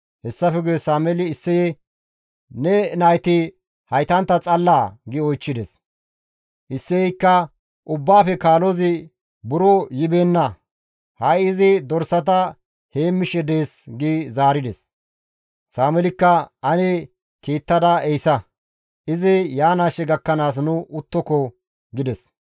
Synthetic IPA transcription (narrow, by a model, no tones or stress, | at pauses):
hɛsːɐfɛɡʊjɛsaːmɛlɪːsːɛjɛ | nɛnɐjt̪ɪ | hɐjt̪ɐnt̪ːɐt͡sʼɐlːaːɡɪɔjt͡ʃːɪd̪ɛs | ʔɪsːɛɛjkːɐ | ʔʊbːaːfɛkaːlozɪ | bʊɾɔjɪbeːnːɐ | hɐjɪzɪd̪ɔɾsɐt̪̬ɐ | heːmːɪʃɛd̪e̞ːsɡizaːɾɪd̪ɛs | saːmɛlɪkːɐɐnɛ | keːt̪ːɐd̪ɐɛjsɐ | ʔɪzɪjaːnaːʃɛɡɐkːɐnaːs̬nʊʔʊt̪ːɔkɔ | ɡɪd̪ɛs